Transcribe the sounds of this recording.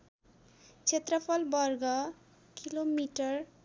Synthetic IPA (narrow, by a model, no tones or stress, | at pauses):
t͡sʰet̪ɾʌpʰɔlbʌɾɡʌ | kilomiʈʌɾ